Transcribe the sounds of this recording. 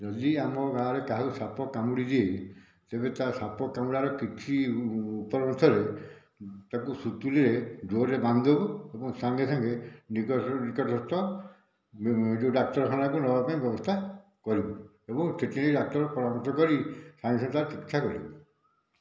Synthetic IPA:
d͡ʒɔd̪iamɔɡaɾekaɦakusapɔkamuɽid̪iej | t̪ebet̪asapɔkamuɽaɾɔkit͡ʃʰiupɔɾɔnt̪ʰɔɾe | t̪akusut̪uliɾed͡ʒoɾeband̪ɔbuebɔŋsaŋɡesaŋɡeniknikɔʈɔst̪ɔ | d͡ʒeɖak̚ʈɔɾɔkʰanakunɔbapaĩbjɔbɔst̪ʰa | kɔɾibɔ | ebɔŋseʈiniɖak̚ʈɔɾɔpɔɾamɔt̪ɔkɔɾisãŋɡesãŋɡet̪aɾet͡ʃikit͡ʃʰakɔɾḭbɔ

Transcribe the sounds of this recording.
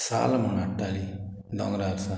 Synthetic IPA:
sa̰lmunaʈːali | d̪ɔŋɾaɾsa

